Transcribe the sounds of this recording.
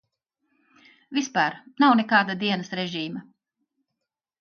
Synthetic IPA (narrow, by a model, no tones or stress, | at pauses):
vispaːɾnawnekaːd̪ad̪iɛnɐsɾeʒiːmɐ